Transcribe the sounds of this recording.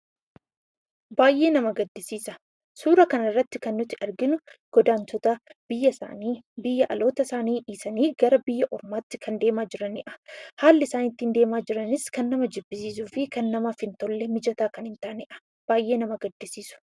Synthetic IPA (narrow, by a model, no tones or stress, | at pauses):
baːjʔe̞ːnɐmɐɡɐd̪ːɪsiːsɐ | suːɾɐkɐnɐrːɐt̪ːɪkɐnːʊt̪ːɪʔɐɾɡɪnʊɡ̥ɔd̪aːnt̪ʰɔt̪ɐb̥ɪjːɐa̰niːbɪjːɐʔɐlo̞ːt̪ɐsaːniːʔiːsɐniːɡ̥ɐɾɐbɪjːɐʔɔɾmaːt̪ːɪ̥kʰɐnd̪e̞ːmaːd͡ʒɪɾɐnɪ̰ʔɐ̥haːlːɪsaːniːt̪ːɪnd̪e̞ːmaːd͡ʒɪɾɐnɪskɐnːɐmɐd͡ʒɪbːɪsiːs̬uːfɪkɐnːɐmaːfɪnt̪olːɛmɪd͡ʒɐt̪aːkɐnhɪnt̪ɐʔɐnɪʔɐ̥ | b̥aːjʔe̞ːnɐmɐɡɐd̪ːɪsiːsʊ̥